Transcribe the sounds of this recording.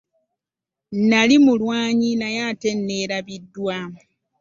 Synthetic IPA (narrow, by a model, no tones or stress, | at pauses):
nalimulwaːɲinajaːte̞nːe̞ːɾaβidːwa